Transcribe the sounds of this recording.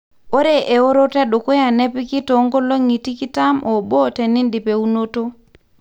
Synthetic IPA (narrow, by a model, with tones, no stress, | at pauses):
o˦ɾe˨ʔe˨o˦ɾo˦te˦ɗo˨ko˦ja˨ne˦pi˦ki˦to˨˦ŋɡo˦lo˦ŋi˨ti˦ki˦ta˦mʔo˨ɓo˦te˨ni˦ndi˨pe˨u˦no˦to˦